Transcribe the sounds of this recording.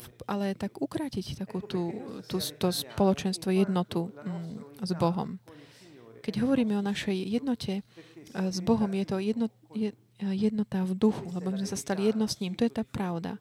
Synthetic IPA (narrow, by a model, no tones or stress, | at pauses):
ʔalɛt̪aɡukɾaːcict̪akuːt̪uːt̪ust̪ɔspɔlɔt͡ʃɛnst̪ʋɔjɛd̪nɔt̪u | zbɔɦɔ̰m | kɛɟɦɔʋɔɾiːmɛɔnaʃɛjjɛd̪nɔcʰɛ | zbɔɦɔmjɛt̪ɔjɛd̪nɔ | jɛ | jɛd̪nɔt̪avd̪uxulɛbɔmizmɛsast̪alijɛd̪nɔsɲiːmt̪ɔjɛt̪aːpɾaʊd̪a̰